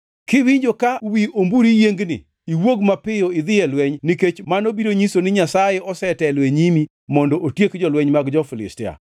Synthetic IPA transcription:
kɪwiɲd͡ʒokawiombuɾijeŋɡnɪ̰ | iwoɡmapɪjoɪd̪ɪjɛlwɛɲniket͡ʃmanobiɾoɲisonɪɲasajɛɔsɛtɛlweɲimi | mɔndɔʔotjekd͡ʒɔlwɛɲmaɡd͡ʒɔfɪlɪ̰stɪa̰

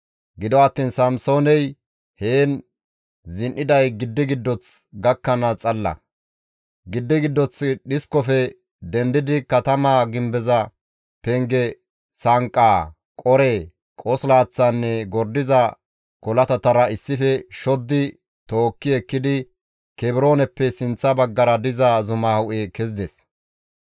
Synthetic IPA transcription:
ɡɪd̪ɔɐt̪ːiːnsɐmso̞ːnɛj | heːn | zɪnʔɪd̪ɐjɡɪd̪ːɪɡɪd̪ːɔt͡sɡɐkːɐnɐt͡sʼɐlːɐ̰ | ɡɪd̪ːɪɡɪd̪ːɔt͡sɗɪskɔfɛ | d̪ɛnd̪ɪd̪ɪkɐt̪ɐmaːɡɪmbɛzɐ | pɛŋɡɛ | sɐŋkʼːaː | kʼɔɾɛ | kʼɔslaːt͡sːanːɛɡɔɾd̪ɪzɐ | kɔlɐt̪ɐt̪ɐɾɐɪsːɪfɛʃɔd̪ːɪ | t̪o̞ːkːɪɛkːɪd̪ɪ | kɛbɪɾo̞ːnɛpːɛsɪnt͡sːɐbɐɡːɐɾɐd̪ɪzazʊmahʊʔekɛzɪd̪ɛs

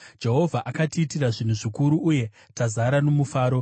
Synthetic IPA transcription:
d͡ʒe̞ɦo̞vʱaʔakatiːtiraʐin̤uʐikuɾuʔːje̞ | tazaɾano̞mufaːɾo̞

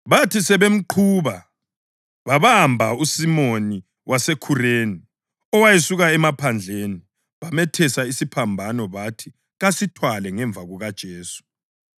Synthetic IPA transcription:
βatʰisɛβem̩ǃʰuβa | βaβambʱausimoni | wʔasekʰureːni | ɔwajesuɣaɛmapʰand͡ɮʱeni | βamɛtʰɛsaisipʰambʱanɔβatʰi | ɣasitʰwalɛŋɛɱvʱaɣuɣad̥ʒ̥ʱeːsu̥

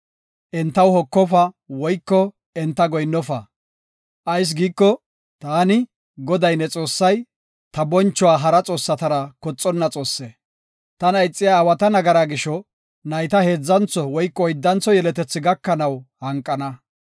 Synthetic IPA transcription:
ʔɛnt̪ːɐwhɔkːɔfɐ | wɔjkːɔ | ɛnt̪ːɐɡɔjnːɔfɐ | ʔɐjs̬ɡiːkːɔ | t̪aːnɪ | ɡɔd̪ɐjnɛt͡sʼo̞ːsːɐj | t̪ɐbɔnt͡ʃːɔwaːɦɐɾɐt͡sʼo̞ːsːɐt̪ɐɾɐkɔt͡sʼːɔnːɐt͡sʼo̞ːsːeː | t̪ɐnɐjt͡sʼːɪjaːwɐt̪ɐnɐɡɐɾaːɡɪʃɔ | nɐjt̪ɐhe̞ːd͡zːɐnt͡sːɔwɔjkːɔːjd̪ːɐnt͡sɔjɛlɛt̪ɛt͡sːɪɡɐkːɐnɐwhɐŋkʼːɐnɐ

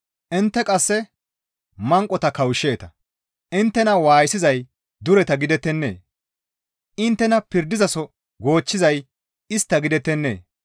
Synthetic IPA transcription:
ʔɪnt̪ːɛkʼɐsːɛ | mɐŋkʼɔt̪ɐkɐwʃːe̞ːt̪ɐ | ʔɪnt̪ːɛnɐwaːjsɪzɐj | d̪ʊɾɛt̪ɐɡɪd̪ɛt̪ːɛnːḛː | ʔɪnt̪ːɛnɐpɪɾd̪ɪzɐsɔ | ɡo̞ːt͡ʃːɪzɐj | ɪst̪ːɐɡɪd̪ɛt̪ːɛnːe̞̰ː

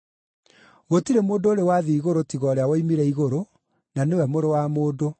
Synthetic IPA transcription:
ɣotiɾemoːdoːɾewaðiiɣoɾotiɣɔːɾeawoimiɾɛiɣoɾo | nanewɛmoɾowamoːdo

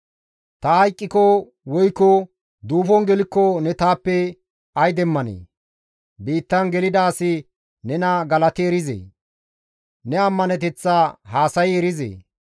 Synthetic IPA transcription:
t̪ɐhɐjkʼːɪkɔ | wɔjkːɔ | d̪uːfɔnɡɛlɪkːɔnɛt̪aːpːɛ | ɐjd̪ɛmːɐnḛː | biːt̪ːɐnɡɛlɪd̪aːsɪ | nɛnɐɡɐlɐt̪ɪɛɾɪzḛː | nɛɐmːɐnɛt̪ɛt͡sːaːɦaːsɐjɛɾɪzḛː

